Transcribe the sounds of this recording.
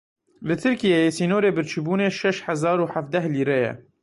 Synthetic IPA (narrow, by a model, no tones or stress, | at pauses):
lɨt̪ʰɨɾkijejesiːnoːɾeːbɨɾt͡ʃʰɨbuːneːʃɛʃħazɑːɾuːħaf̚d̪ɛhliːɾɛjɛ̰